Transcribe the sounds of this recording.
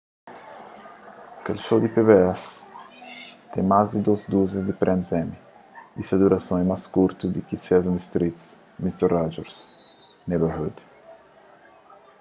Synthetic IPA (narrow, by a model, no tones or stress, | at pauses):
ɐkelʃowd̪ipeβeɛs | t̪ɛ̃mazd̪id̪ozd̪uzizd̪ipɾʔɛmsɛmi | isɐd̪uɾɐsõɛmaskuɾt̪ud̪ikisɛzɐ̃mist̪ɾit̪s | mist̪ɛɾad͡ʒoɾs | nebehud̪